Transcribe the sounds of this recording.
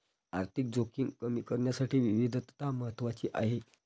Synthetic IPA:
aɾt̪ʰik̚d͡zokiŋɡkəmiːkəɾɳjasaʈʰiːʋiʋid̪ʱt̪t̪aməɦət̪ːʋat͡ɕiːʔaɦe

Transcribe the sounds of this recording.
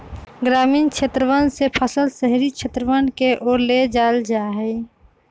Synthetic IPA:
ɡɾaːmiːnkt͡ʃʰet̪ɾəʋansepʰəsəlsəɦɾikʃʰet̪ɾəʋankeʔoːɾled͡ʒaːld͡ʒaːɦɛ

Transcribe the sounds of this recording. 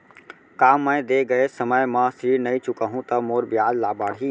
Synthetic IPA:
kamːəjd̪eɡəesəməjmə̃sɾiɾnəjt͡ʃukəɦũt̪əmoɾbjad̪labaɽɦi

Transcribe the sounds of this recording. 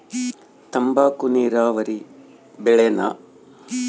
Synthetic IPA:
t̪ɐmbaːkuniːɾaːʋɐɾi | bɛɭena̰

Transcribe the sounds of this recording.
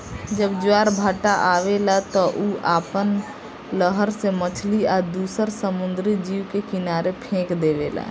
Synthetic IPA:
d͡ʒəbd͡ʒʊaɾbʱaːʈaʔaʋelat̪ɔʔuʔaːpən | ləɦəɾsemət͡ʃʰliaːd̪uːsəɾsəmʊnd̪ɾid͡ʒiwkekɪnaːɾepʰẽːkd̪eʋela̰

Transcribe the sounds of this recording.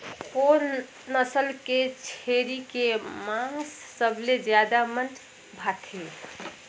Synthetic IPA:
oːɾ | nəsəlket͡ʃʰeɾikemãsːəbled͡ʒjad̪amənʈ | bʱat̪ʰe

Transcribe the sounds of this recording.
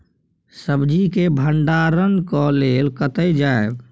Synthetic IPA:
səbd͡ʒikebʱəɳɖaɾənkɔleːlkət̪əjd͡ʒae

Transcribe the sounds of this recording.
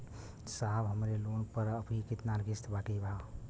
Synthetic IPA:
sabɦəmɾelonpəɾəpikit̪naɾɡist̪baʈibʱa

